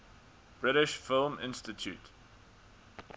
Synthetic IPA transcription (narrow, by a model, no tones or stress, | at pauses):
b̥ɹɪɾɪʃfɪlˠmɪ̰̃nstɪtʰjṵt